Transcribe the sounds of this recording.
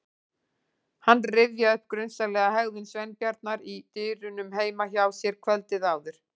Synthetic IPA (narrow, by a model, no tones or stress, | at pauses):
hanːrɪvjaœhp̚kɾʏnsalɛːɣaɦɛɣvɪnsvɛnpjaɾt̪̚naɾit̪ʏːɾʏnʏmɦeːjmaçaːwsjɛɾ̥kʰvɛlt̪ɪðaːwðʏɾ̥